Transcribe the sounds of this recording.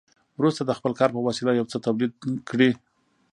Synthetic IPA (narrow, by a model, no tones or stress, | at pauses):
wɾust̪ad̪əxpəlkɑɾpəwasɪlajawt͡sət̪awlid̪̚kɽi